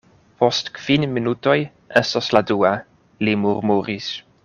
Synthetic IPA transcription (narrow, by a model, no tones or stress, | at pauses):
postkv̥inminuto̞j | ʔestosladua | limuɾmuɾis